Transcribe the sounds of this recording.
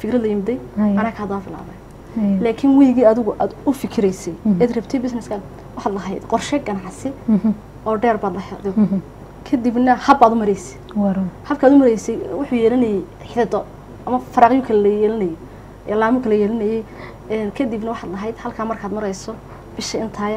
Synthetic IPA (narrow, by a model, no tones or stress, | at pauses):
fɪkɾɐd̪lɐjɪmɪd̪ɛjjɐnaːkʰaːd̪aːbɪla̰ːβɐj | laːkʰɪnwijɣiːɐðɪɣʊʔaːd̪ʊfɪkʰɪɾɛjsɛjɛːd̪rɐbt̪ʰɛjbɪsnɛskʰaːd̪ | wɑħaːd̪lɐɦɛjd̪qɔrʃɛɡɐnɑʕsɪ | ɔːɖɛːrbaːd̪lɐħɪd̪ɔ | kʰɐd̪ɪbnɐhɐbaːd̪ʊmɐɾɛjsɛ̥ | wɑɾuhɐbkʰaːd̪ʊmɐɾɛjsɛjwʊħʊːjɛːlɐnɛjɛj | ħɪðɪd̪ɔ | ɐmɐfɐɾaːqjʊŋkʰɐllɐjɛːlɐnɛjɛ | ɛ̰laːmʊkʰɐlɐjɛːlɐnɛjɛj | ɛnkʰɐd̪ɪbnɐwɑħaːd̪lɐɦɛjd̪hɐlkʰaːmɐrkʰaːd̪mɐɾɛjsɔ | b̥ɪʃɐɪnt̪ʰaːjɐ